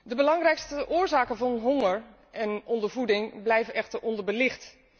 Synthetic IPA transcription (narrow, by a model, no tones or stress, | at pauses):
dəbəlɑŋrɛjkstəʔʊːɹzaːkənvɑnɦoŋəɹ | ɛnɔndəɹvudɪŋblɛjvənɛxtəɹʔɔndəɹbəlɪxt